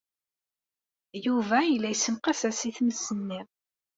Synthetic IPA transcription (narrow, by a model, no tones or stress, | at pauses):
juvæjəlːæjsːəmqæsæsiθməsːənːiʁ